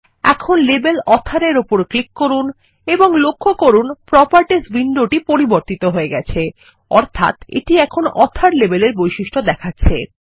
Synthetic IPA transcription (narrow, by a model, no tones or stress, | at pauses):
ɛ̰kʰonlebelɔt̪ʰaɾeɾopoɾklikːoɾun | eboŋlokʰːokoɾunpɾɔpaɾʈisbiɳɖoʈipoɾiboɾt̪it̪oɦoeɡɛt͡ɕʰe | ɔɾt̪ʰa̰t̪ḛʈiɛkʰonɔt̪ʰaɾlebeleɾbojʃiʃʈʰod̪ɛkʰatːɕʰḛ